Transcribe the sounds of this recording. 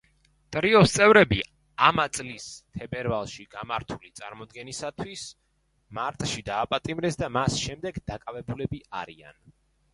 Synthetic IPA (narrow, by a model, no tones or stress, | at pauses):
t̪ʼɾiɔst̪sʼɛvɾɛbi | amat̪sʼlist̪ʰɛbɛɾvalˠʃiɡamaɾt̪ʰulit̪sʼa̰ɾmɔd̪ɡɛnisat̪ʰwis | maɾt̪ʼʃid̪aːpʼat̪ʼimɾɛsd̪amasʃɛmd̪ɛɡd̪akʼavɛbulɛbiaɾia̰n